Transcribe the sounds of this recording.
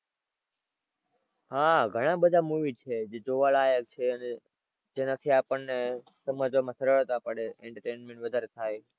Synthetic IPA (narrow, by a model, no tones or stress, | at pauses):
ɦaɡʱəɽ̃ãbəd̪ʱamuʋit͡ʃʰed͡ʒed͡ʒoʋaɭaːjək̚t͡ʃʰeəne | d͡ʒenat̪ʰiapəɳne | səməd͡ʒomãsʰəɾəɭt̪apəɽeeɳʈəɾʈeːnmẽɳʈʋəd̪ʱaɾet̪ʰaːj